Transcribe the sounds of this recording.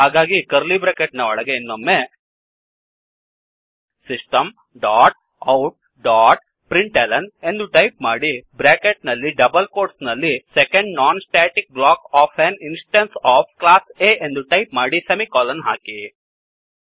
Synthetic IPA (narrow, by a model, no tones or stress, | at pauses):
ɦaːɡaːɡikɐɾlibɾeːkeʈnɐɔɭɐɡeinːomːe | sisʈɐm | ɖaːʈ̚ | ɐwʈ̚ | ɖaːʈ̚ | pɾiɳʈeːlɐnend̪uʈɐjp̚maːɽibɾeːkeʈ̚nɐlːiɖɐbɐlkoːɾsnɐlːisekeɳɖnaːnsʈeːʈik̚blaːkaːpʰɐninsʈɐnsaːp̚ʰklaːseːend̪uʈɐjp̚maːɽisɐmikaːlɐnɦa̰ːki